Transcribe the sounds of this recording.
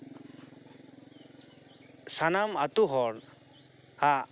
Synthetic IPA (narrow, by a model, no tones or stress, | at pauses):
sanamat̪uɦɔɾ | ha